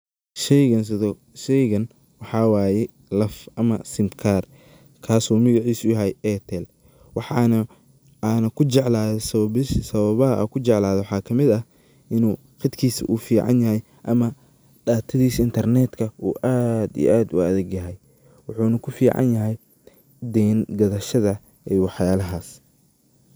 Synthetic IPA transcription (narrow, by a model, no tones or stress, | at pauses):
ʃɛɐ | ʃɛjɣɐn | wɑħɑːwaːjɛ | lɐfʔɐmɐsɪmt̪kʰaːr | kʰaːsuːmɐɣɑʕiːsʊjɐɦɛjɛːt̪ʰɛl | wɑħɑnɐ | aːnɐkʰʊt͡ʃɛʕlaːðɔsɐɪssɐβɐβɐɦɐʔɐ̰kʰʊt͡ʃɛʕlaːðɔwħɑːkʰɐmɪd̪ɐ | ʔɪnuː | qɪd̪kʰiːsɐ̰ʔuːfiːʕɑ̰njɐɦɛj | ʔɐmɐ | ɖaːt̪ʰɐðiːsɪnt̪ʰɐrnɛːd̪kʰɐuːʔaːd̪ḭːʔaːd̪ʊ̰ɐðɛɡjɐɦɛj | wɑħuːnɐkʰʊfiːʕɑ̰njɐɦɛj | d̪ɛːnɡɐðɐʃɐðɐ | ɛwɑħjaːlɐɦaːs